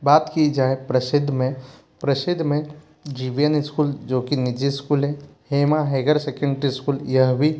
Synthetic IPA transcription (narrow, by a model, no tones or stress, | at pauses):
baːt̪kid͡ʒaːepɾəsɪd̪ʱːmẽ | pɾəsɪd̪ʱːmẽ | d͡ʒiːʋijənɪskuːld͡ʒoːkinɪd͡ʒiskuːlɦɛ̃heːmaɦeːɡəɾseːkẽɳɖɾiskuːljɐɦbʱi